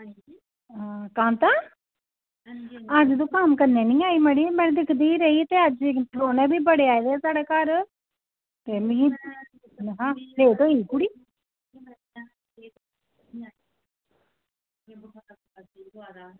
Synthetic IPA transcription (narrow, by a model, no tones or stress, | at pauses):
ɦãːkãːnt̪aː | əd͡ʒd̪õːkəmkəɾneːnĩːaːiːməɽiːmɛ̃ːnd̪ɪkʰd̪iːɾəiːt̪eːəd͡ʒt̪ɾoːnɛ̃ːbʱiːbəɽeːaːid̪eːsaːɽeːkaːɾ | t̪eːmi | ɦãːleːt̪õːiːkʊɽiː